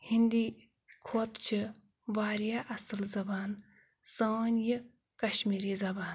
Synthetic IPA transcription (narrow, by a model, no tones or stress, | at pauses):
hind̪i | kʰoːt̪t͡ʃʰi | ʋaːɾjaːʔɐsɨlzɐbaːn | səːnjɨ | kɐʃmiːɾiːzɐbaːn